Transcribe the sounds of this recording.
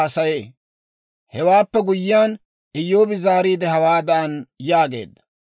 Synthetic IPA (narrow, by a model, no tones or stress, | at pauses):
ɐsɐjeː | hɛwaːpːɛɡʊjːɪjaːn | ɪjːo̞ːbɪzaːɾiːd̪ɛhɐwaːd̪anjaːɡe̞̰ːd̪ːɐ̥